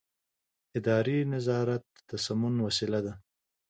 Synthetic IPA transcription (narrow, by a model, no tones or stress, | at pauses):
ɪd̪ɑɾinazɑɾat̪̚ət̪ːasamʊnwasilad̪a